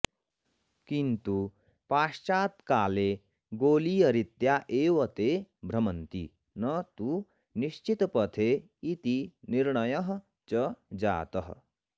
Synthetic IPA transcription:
kint̪u | paːʃt͡ʃaːt̪kaːle | ɡoːlijɐɾit̪jaʔeːʋɐt̪ebʱɾɐmɐnt̪ḭ | nʌt̪u | niʃt͡ʃit̪pɐt̪ʰe | it̪iniɾɳɐjɐɦ | t͡ʃɐd͡ʒa̰ːt̪ɐɦ

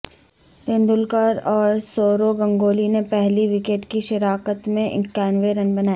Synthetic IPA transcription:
pẽːnd̪ʊlkəɾɔːɾsoːɾoɡɐ̃ŋɡoːlinepɛɦliʋikeːʈkiʃɐɾaːkət̪mẽʔkɛːnʋeɾɐnbɐnaːji

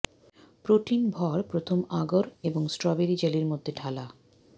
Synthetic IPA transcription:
pɾoʈinbʱɔɾpɾot̪ʰomaɡoɾeboŋsʈɾɔbeɾid͡ʑeliɾmod̪ʱːeɖʱala

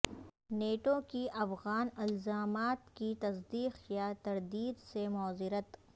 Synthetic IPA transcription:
neːʈokiʔɐfɣaːnɪlzaːmaːt̪kit̪ɐsd̪iːqjat̪ɐɾd̪iːd̪semɔːzɪɾət̪

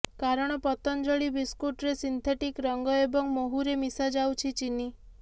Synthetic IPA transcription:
kaɾɔɽ̃ɔpɔt̪ɔnd͡ʒɔɭibiskuʈɾesint̪ʰeʈikɾɔŋɡɔebɔŋmoɦuɾemisad͡ʒawt͡ʃʰit͡ʃini

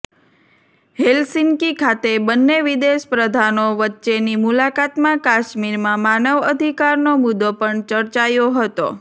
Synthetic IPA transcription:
ɦelsɪŋkikʰat̪ebənːeʋid̪eʃpɾəd̪ʱanoʋətːʃenimulakat̪mãkaʃmiɾmãmanəʋəd̪ʱikaɾnomud̪opəɳt͡ʃəɾt͡ʃajoɦət̪o̰

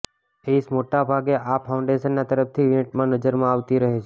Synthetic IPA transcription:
eismoʈabʱaɡeʔapʰaʊɳɖeʃənːat̪əɾəft̪ʰiʋɪnʈmãnəd͡ʒəɾmãaʋt̪iɾəɦet͡ʃʰe

